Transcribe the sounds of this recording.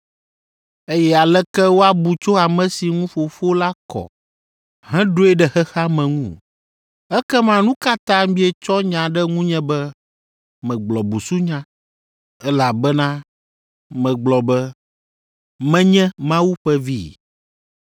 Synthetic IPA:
e˦jɛ˦a˨lɛ˦kɛ˦wo˦a˦bu˨t͡ʃo˦a˨mɛ̃˨si˨ŋũ˦fo˨fo˦la˦kɔ̰˨ | ɦɛ̃˦ɖo˦ɛ˦ɖɛ˨xɛ˦xa˦mɛ̃˨ŋũ˦˨ | ɛ˦kɛ˦mã˦nũ˦ka˦t̪ã˦mĩ˦ɛ˨t͡ʃɔ˦ɲã˨ɖɛ˦ŋũ˦ɲɛ̃˦bɛ˦ | mɛ̃˨ɡ͡blɔ˨bu˨su˦ɲã˦ | ɛ˦la˨bɛ˦nã˦ | mɛ̃˨ɡ͡blɔ˨bɛ˦ | mɛ̃˦ɲɛ̃˦mã˦wu˦ɸɛ˦vi˦˨

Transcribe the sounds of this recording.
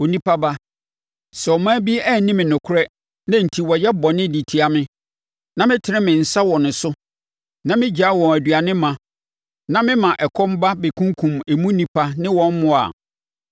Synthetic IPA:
o˨nĩ˦pʰa˦ba˦ | sɛ˨ɔ˨mãː˦bi˦æ˦˨˦nĩ˦mɪ̃˨nʊ̃˨kʰʊ˦ɾɛ˦ | nã˦n̩˨tʰi˨wɔ˨jɛ˦bɔ˨nɪ̃˦di˨tʰi˦a˨mɪ̃˦ | nã˦mɪ̃˦tʰɪ˨ɾɪ̃˦mɪ̃˨n̩˨sa˦wɔ˨nʊ̃˨sʊ˦ | nã˦mɪ̃˦d͡ʑa˨˦wɔ̃˨æ˨dɥa˨nɪ̃˦mã˨ | nã˦mɪ̃˦mã˨ʔɛ˨kʰɔ̃˦m˦ba˦be˨kʰũ˦ŋ˦kʰũ˨me˨mũ˦nĩ˨pʰa˦nɪ̃˦wɔ̃˦nmʊ̃˨a̰˨

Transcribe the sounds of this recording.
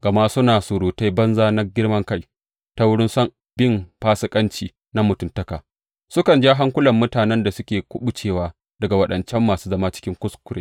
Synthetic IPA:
ɡ̥ɐ˨ma˦sʊ˦naː˨sʊ˨ɾuː˨ta˦jbɐ˦nzaː˦na˦ɡʲɪ˦ɽmɐ˦ŋka˦j | ta˦wʊ˦ɽɪ˦nsɐ˦ŋ | b̥ɪ˦mɸaː˦sɪ˦kʼɐ˦nt͡ʃiː˨ | na˦mʊ˨tʊ˦˨ntɐ˦kaː˨ | sʊ˦kɐ˨nd͡ʒa˦ɦa˦ŋkʷʊ˦lɐ˨mːʊ˦taː˨nɛ˦nda˨sʊ˦kʲeː˨kʷʊ˦ɓʊ˨t͡ʃeː˨waː˦ | d̥ɐ˨ɡa˨wɐ˦ɗɐ˨nt͡ʃɛ˦mːaː˨suː˦zɐ˦maː˦t͡ʃɪ̥˦kʲɪ˦ŋkʷʊ˦skʷʊ˨ɽeː˦

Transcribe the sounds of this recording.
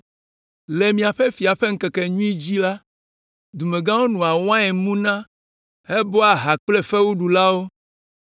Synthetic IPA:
le˨mĩ˨a˨ɸe˦fi˨a˨ɸe˦ŋ̩˦ke˨ke˨ɲũ˦i˦d͡ʑi˦la˦ | d̪u˨me˨ɡã˦wo˦nũ˨a˨wã˦ɛ˨mũ˦nã˦ | e˦bɔ˦a˨ɦa˨k͡ple˦fe˦wu˦ɖu˨la˦wo˦

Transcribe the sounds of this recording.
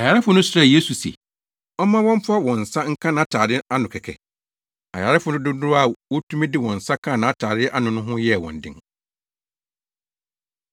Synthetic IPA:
a˨ja˨ɾɪ˦fʊ˦nʊ̃˦sʊ˦ɾa˦˨je˦su˨sḛ˨ | ɔ˦mã˦wɔ̃˦m˦pʰʊ˦a˦wɔ̃˨n̩˨sa˦ŋ̩˦kʰã˦nã˨˦tʰaː˨dɪ˦a˦nʊ̃˨kʰɛ˨kʰɛ̰˨ | a̰˨ja˨ɾɪ˦fʊ˨nʊ̃˦dʊ˦dʊ˦ɾa˦˨wɔ˦tʰũ˦mĩ˦dɪ˦wɔ̃˨n̩˨sa˦kʰã˦˨nã˨a˦tʰaː˨ɾɪ˦ʔa˦nʊ̃˨nʊ̃˦ɦʊ̃˦jɛ˦˨wɔ̰̃˨n˨dɪ̰̃˦ŋ

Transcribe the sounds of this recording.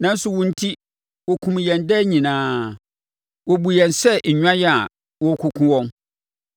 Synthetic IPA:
nã˦n̩˦sʊ˨wʊ̃˨n̩˦tʰi˦ | wɔ˨kʰũ˨m˨jɛ̃˨ndɛ˦ɲĩ˨nãː˦ | wɔ˨bu˨jɛ̃˨nsɛ˦ʔɲᶣã˦jɛ˦a˨ | wɔ˦kʰʊ˨kʰũ˦wɔ̃˦n

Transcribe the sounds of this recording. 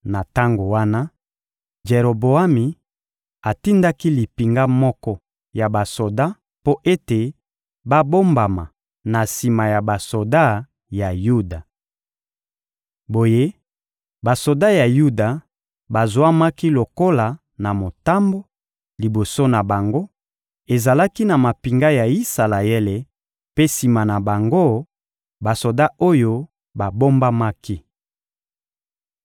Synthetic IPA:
na˨ta˦ŋɡo˨wa˦na˦ | ʒe˨ɾo˨bo˨a˦mi˨ | a˨ti˦nda˦ki˦li˨pi˨ŋɡa˦mɔ˦kɔ˦ | ja˨ba˨so˨da˦ | po˦ʔe˦te˨ | ba˦bo˦mba˨ma˨ | na˨si˨ma˨ja˨ba˨so˨da˦ | ja˨ju˦da˨ | bo˨je˦ | ba˨so˨da˦ja˨ju˦da˨ | ba˨zwa˦ma˦ki˦lo˨ko˦la˨ | na˨mo˨ta˦mbo˦ | li˨bo˨so˦na˨ba˨ŋɡo˦ | e˨za˨la˦ki˦na˨ma˨pi˨ŋɡa˦ja˨i˦sa˨la˨e˦le˨ | pe˦si˨ma˨na˨ba˨ŋɡo˦ | ba˨so˨da˦ʔo˦jo˦ | ba˨bo˦mba˦ma˦ki˦

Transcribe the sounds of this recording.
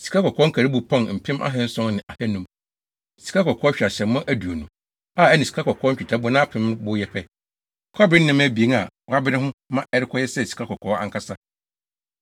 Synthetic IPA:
si̥˨kʰa˦kɔ˨kʰɔ˦ŋ̩˦kʰæ˨ɾi˦bʊ˨pʰɔ̃˦n˨m̩˨pʰɪ̃˦mʔa̰˦ɦɛ˦n̩˦sʊ̃˦ŋ˦nɪ̃˨ʔa˨hɛ˦nũ˦m | si̥˨kʰa˦kɔ˨kʰɔː˦ɕᶣa˨ɕɛ̃˨m˦mʊ̃˦ʔæ˦du˨o˨nṵ̃˨ | aː˦˨ɛ˦nɪ̃˨si̥˨kʰa˦kʰɔ˨kʰɔː˦ɲ̩˦t͡ɕᶣtʰa˦bʊ˦nã˦pʰɪ̃˦m˦bʊ˦jɛ˦pʰɛ˦ | kʰɔ˦bɾɪ̃˦n̩˦nɪ̃˦mæ˦bi˨e˨˦ŋa˨wɔ˨a˦bɪ˦ɾɪ̃˦ɦʊ̃˦mã˦ʔɛ˦ɾɪ˦kʰɔ˦jɛ˦sɛ˦˨si̥˨kʰa˦kɔ˨kʰɔː˨˦ã̰˨ŋkʰa˦sa˦

